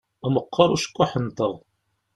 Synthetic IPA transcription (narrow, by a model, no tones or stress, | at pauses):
æməqʰːɑɾˤuʃə̥kʷːaħənt̪əʁˤ